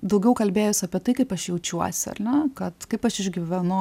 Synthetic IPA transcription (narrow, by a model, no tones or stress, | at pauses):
d̪ɐʊɡʲɛʊkɐlʲbʲeːjʊsʲɐpʲiɛt̪ɐɪkɐɪpɐʃjɛʊt͡ʃʲuɔsʲɪɐ̰rnʲɛkɐt̪kɐɪpɐʃɪʒʲɡʲiʋʲɛnʊ